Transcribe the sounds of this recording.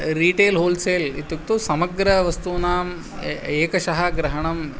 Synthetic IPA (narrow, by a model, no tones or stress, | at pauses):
ɾiːʈeːlɦoːlseːlit̪ːjukt̪usɐmɐɡɾɐʋɐst̪unaːm | eːkɐʃɐɦɐɡɾɐɦɐɳɐm